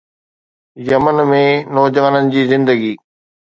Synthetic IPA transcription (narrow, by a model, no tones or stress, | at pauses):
jɐmənmẽnɔːd͡ʑəʋanənɪ̆d͡ʑiːzɪ̃nd̪əɡiː